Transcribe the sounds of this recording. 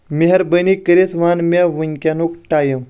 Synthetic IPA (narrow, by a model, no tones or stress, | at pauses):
meɦɐɾbənikəɾesʋanmʲaʋunkʲanokʈajəm